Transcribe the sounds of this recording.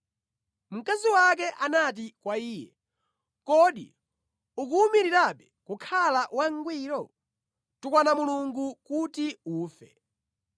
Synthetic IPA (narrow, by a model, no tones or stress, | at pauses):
m̩kaziwak̬ɛʔanat̬ikwaiːjɛ̰ | kɔɗḭ | uk̬umiɾiɾapɛkukʰalawaŋɡwiːɾɔ | tukwanamuluŋɡukutiuːfɛ̰